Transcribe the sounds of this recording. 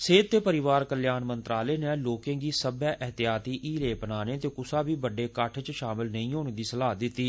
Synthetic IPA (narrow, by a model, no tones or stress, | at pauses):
seːd̪̚t̪eːpəɾɪʋaːɾkəljaːnmənt̪ɾaːleːneːloːkẽːɡiːsəbɛːʔɛɦt̪ɪjaːt̪iːʔiːleːpənaːneːt̪eːkʊsaːbiːbəɖeːkəʈʰt͡ʃʃaːmɪlnəĩːɦoːñd̪iːsəlaːd̪ɪt̪ːiː